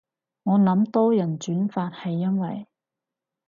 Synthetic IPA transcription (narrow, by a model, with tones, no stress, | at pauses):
ŋɔː˨˧nɐ˨˧˥mt̪ɔː˥jɐ˨˩nt͡ʃyː˨˥nfaː˧t̚hɐ˨jːɐ˥nwɐ̰˨j